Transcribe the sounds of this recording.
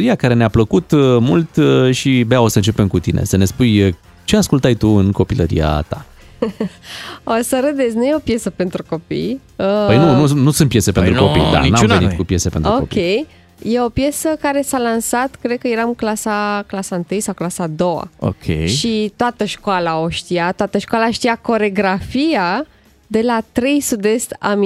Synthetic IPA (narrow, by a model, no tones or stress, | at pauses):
ɾiakaɾe̞neapləkut̪mult̪ʃibeao̞səɨnt͡ʃe̞pemkut̪inʔe̞̰səne̞spujə | t͡ʃe̞askult̪ajt̪uɨnko̞piləɾḭa̰t̪a | osəɾəd̪e̞snujeopje̞səpe̞nt̪ɾuko̞pḭj | əpəjnununusunt̪pje̞sepe̞nt̪ɾko̞pḭjd̪a̰mnanenikupje̞sepenuokopkpḭej | je̞opje̞səkaɾe̞salansat̪kɾe̞d̪̚kəjeɾaɨklasaklasaɨnt̪ɨjsawklasad̪o̞wa̰o̰kʲʰḛjʃit̪oat̪əʃkoalao̞ʃt̪ijat̪owat̪əʃkalaʃt̪ijako̞ɾe̞ɡɾafia | d̪e̞lat̪ɾe̞jsud̪e̞st̪a̰m